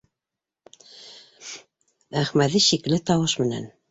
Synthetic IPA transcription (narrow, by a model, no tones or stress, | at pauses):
æχmæðiʃiklɘt̪ɑwɤʃmɘ̆næ̰n